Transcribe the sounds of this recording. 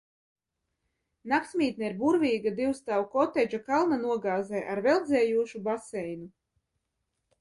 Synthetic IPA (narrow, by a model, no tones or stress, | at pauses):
naksʲmʲiːt̪nɛiɾbuɾvʲiːɡad̪iwst̪awkɔt̪ɛd͡ʒakalˠnanuɔɡaːzɛːʔaɾvɛlˠd̪zɛːjuɔʃubasɛjnu